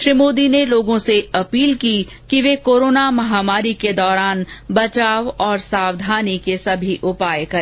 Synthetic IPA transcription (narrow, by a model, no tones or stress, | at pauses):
ʃɾimoːd̪ineloːɡõseɐpiːlki | kiʋekoːɾoːnamɐɦaːmaːɾiked̪ɔːɾaːnbɐt͡ʃaːʋɔːɾsaːwd̪ʱaːnikesɐbʱiʔʊpaːjekɐɾ